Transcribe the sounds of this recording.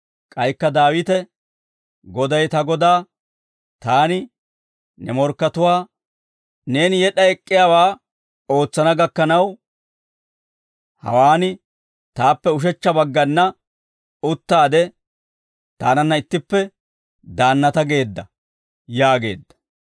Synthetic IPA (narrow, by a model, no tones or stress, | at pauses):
kʼɐjkːɐd̪aːwɪt̪ɛ | ɡɔd̪ɐjt̪ɐɡɔd̪aː | t̪aːnɪ | nɛmɔɾkːɐt̪ʊwaː | ne̞ːnɪjɛɗɐɛkʼːɪjaːwaː | o̞ːt͡sːɐnɐɡɐkːɐnɐw | hɐ̰waːnɪ | t̪aːpːɛʊʃ̬ɛt͡ʃːɐbɐɡːɐnːɐ | ʊt̪ːaːd̪ɛ | t̪aːnɐnːɐɪt̪ːɪpːɛ | d̪aːnːɐt̪ɐɡe̞ːd̪ːɐ | jaːɡe̞̰ːd̪ːɐ̥